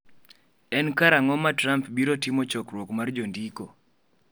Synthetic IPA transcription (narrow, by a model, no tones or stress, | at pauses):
ɛnkaɾaŋɔmatɾampbiɾotimot͡ʃɔkɾwokmard͡ʒondiko